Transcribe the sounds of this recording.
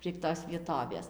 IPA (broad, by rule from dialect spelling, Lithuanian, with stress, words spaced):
pʲrʲiɛk ˈtoːs ʋʲiɛˈtoːʋʲeːs